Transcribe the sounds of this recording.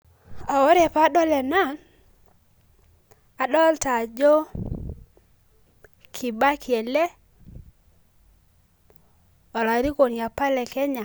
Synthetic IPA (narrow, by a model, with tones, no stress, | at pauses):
a˨wɔ˦ɾe˨pa˦ɗɔ˦lɛ˨na˦˨n | a˨ɗɔ˦lta˨d͡ʒɔ˦ | kʰi˨ba˦kjɛ˨lɛ˦ | ɔ˨la˨ɾi˦ko˨nja˨pa˦lɛ˨kɛ˦ɲa˨